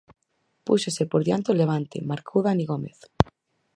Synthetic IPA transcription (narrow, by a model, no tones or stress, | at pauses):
pusosepoɾðjant̪oleβ̞ant̪ḛmaɾkʰowðaniɣomeθ